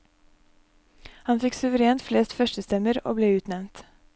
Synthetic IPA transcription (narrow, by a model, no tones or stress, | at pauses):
hɑnfɪksʉʋəɾeːnt̪fleːst̪fœʃʈəst̪ɛməɾo̰ːbleːʉːt̪nɛʋnt̪